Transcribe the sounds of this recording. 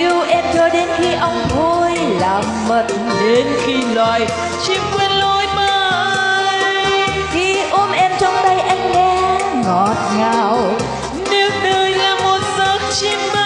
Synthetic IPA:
ʔi˧əwʔɛ˧mt͡ɕɔ˧ɗe˨˦nxi˧ʔə˧wŋ͡mvo˧jlaː˨˩mmə˨˩t̚ | ɗe˨˦nxi˧lwaː˧˨j | t͡ɕi˧mkwɛ˧nlo˧jməː˧ | ki˧˦ʔo˧˦nʔɛ˧mt͡ɕɔ˧wŋ͡mt̪ə˧jʔa˧jŋ̟ŋɛ˧˥ŋɔ˨˩t̚ŋaː˨˩w | ne˨˦wnəː˧jlaː˨˩mo˨˩t̚zə˨˦ŋ̚t͡ɕi˧m˧

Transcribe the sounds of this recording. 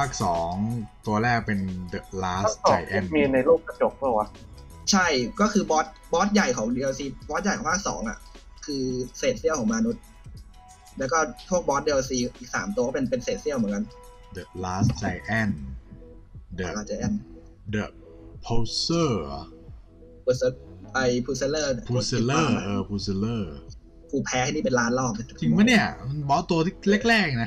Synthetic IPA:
pʰaː˥˩k̚sɔː˩˦ŋt̪u˧ɐlɛː˥˩k̚pe˧ndə˨˩laː˦˥ssa˧jʔɛ˥˩miː˧na˧jluː˥˩k̚pa˧t͡ɕo˨˩k̚bʰɔː˥˩wa˦˥ | t͡ɕʰa˥˩jkɔː˥˩kʰɯː˧bɔː˦˥t̪̚bɔː˦˥t̪̚ja˨˩jkʰɔː˩˦ŋdi˧a˧siː˧bɔː˦˥t̪̚ja˨˩jkʰɔː˩˦pʰaː˥k̚sɔ̰ː˩˦ŋʔa̰˨˩ʔ | kʰɯː˧seː˨˩t̪̚si˥˩kʰɔː˩˦maː˧nu˦˥t̪̚ | lɛː˦˥wkɔː˥˩pʰu˥˩ək̚bɔː˦˥di˧ʔo˧siː˧ʔiː˨˩k̚sa̰ː˩˦mt̪u˧kɔ˥˩pe˧npe˧nseː˨˩t̪̚si˥˩əwmɯ˩˦nka˧n | d̪ə˨˩laː˦˥st͡ɕa˧jʔɛ˥˩n | d̪ə˨˩˧aː˩t͡ɕa˧jʔɛ˧˥˩n | d̪ə˩ | pʰo˧sɤː˥˩ | pʰu˨˩sa˧pa˧jpʰuː˧se˧lɤː˥˩˧pʰu˧se˧ləː˥˩ʔɤː˧˩pʰuː˧se˧lɤː˥˩ | kʰuː˧˩pʰɛː˧˥kʰaː˥˩niː˥˩pe˧nlaː˦˥nlɔː˥˩m̚˥˩tʰi˧ŋma˥˦ni˥˩ɐ˧nbɔː˦˥t̪u˧ɐt̪ʰi˥˩le˥˩k̚lɛː˥˩k̚na˦˥

